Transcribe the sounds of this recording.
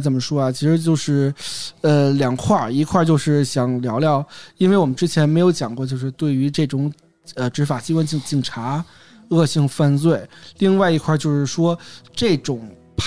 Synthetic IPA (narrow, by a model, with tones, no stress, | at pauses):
t͡sə˨˩nmə˦ʂwɔ˥a˨t͡ɕʰi˧˥ʂɻ̩˧˥t͡ɕjo˥˧ʊʂɻ̩˥˩ə˧ljɑ˨˩ŋkʰwa˥˩i˧˥kʰwa˥˧t͡ɕjo˥˧ʊʂɻ̩˥˩ɕjɑ˨˩ŋljɑ˧˥ʊljɑ˥˧ʊi˥nwe˥˩ɪwɔ˨˩mə˦nʈ͡ʂɻ̩˥t͡ɕʰjɛ˧˥nme˧˥ɪjo˧˥ʊt͡ɕjɑ˨˩ŋkwɔ˥˧t͡ɕjo˥˧ʊʂɻ̩˥˧t̪we˥˩ɪy˧˥ʈ͡ʂɤ˥˩ʈ͡ʂʊ˨˩˦ŋ | ə˧ʈ͡ʂɻ̩˧˥fa˨˩t͡ɕi˥kwa˥nt͡ɕi˧˩t͡ɕi˨˩ŋʈ͡ʂʰa˧˥ | ɤ˥˧ɕi˥˧ŋfa˥˧nt͡swe˥˩ɪli˥˧ŋwa˥˩ɪi˧˥kʰwa˥˧t͡ɕjo˥˧ʊʂɻ̩˥˩ʂwɔ˥ʈ͡ʂɤ˥˩ʈ͡ʂʊ˨˩ŋ | pʰ